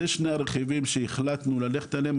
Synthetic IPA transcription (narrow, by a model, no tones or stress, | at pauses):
eʃneaɾeχivimʃeiχlat̪nulale̞χe̥t̪alem